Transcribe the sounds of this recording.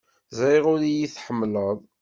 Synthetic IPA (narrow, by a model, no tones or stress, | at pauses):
zɾiʁʊɾijiθħəmːləðˤ